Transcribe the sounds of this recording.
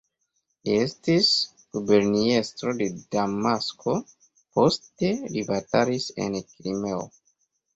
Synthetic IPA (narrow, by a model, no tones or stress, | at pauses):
lie̞stis | ɡ̥ube̞ɾniestɾo̞de̞damasko̞ | po̞ste̞libataɾise̞̰nkɾime̞o̰